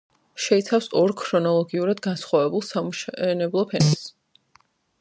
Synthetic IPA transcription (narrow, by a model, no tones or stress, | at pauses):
ʃɛit̪sʰafsɔɾkʰɾɔnɔlˠɔɡiuɾad̪ɡansχwavɛbulˠsamuʃɛnɛblˠɔpʰɛnɛs